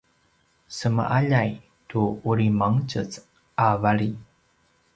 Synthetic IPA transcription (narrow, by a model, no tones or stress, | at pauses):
səmə̰ʔaʎaj | tuuɾimaŋt͡ɕət͡s | avaɭi